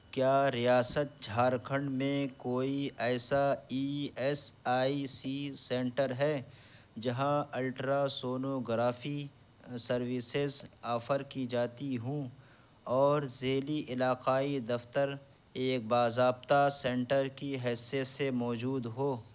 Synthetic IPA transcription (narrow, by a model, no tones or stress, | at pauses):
kjaːɾijaːsət̪̚d͡ʒʱaːɾkʰə̃ɳɖmẽkoːiɛːsaiːɛsaːisisɛ̃ːɳʈəɾɦɛː | d͡ʒɐɦãɪlʈɾasoːnoɡɾaːfi | sɐɾwisezaːfəɾkid͡ʒaːt̪iɦũː | ɔːɾzeːliʔɪlaːqaːid̪ɐft̪əɾ | eːk̚baːzaːbt̪asɛ̃ːɳʈəɾkiɦɛːsjət̪semɔːd͡ʒuːd̪ɦoː